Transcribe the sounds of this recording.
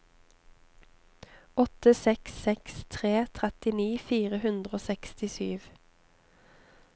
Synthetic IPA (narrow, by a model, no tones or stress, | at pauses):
ɔt̪əsɛksɛkst̪ʰʁeːt̪ʰʁɛt̪ɪniːfiːʁəhʉnd̪ʁəoːsɛkst̪ɪsyːʋ